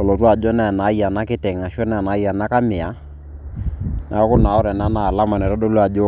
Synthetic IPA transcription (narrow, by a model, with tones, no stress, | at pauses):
ɔ˨lɔ˨twa˨d͡ʒɔ˦nɛ˦˨na˨˦ja˨na˦kɪ˦tɛ˨ŋa˨ʃɔ˦nɛ˨na˨˦ja˨na˦ka˦mɪ˨a˨˦ | nʔa˨ɔ˦kʊ˦na˨ɔ˦ɾɛ˨na˦naː˦˨la˦ma˨nɛ˨ɾɔ˦dɔ˦lwa˨d͡ʒɔ˦